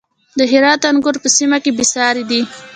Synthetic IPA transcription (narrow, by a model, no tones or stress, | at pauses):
d̪əɦɪɾɑt̪anɡʊɾpəsimakebɪsɑɾed̪i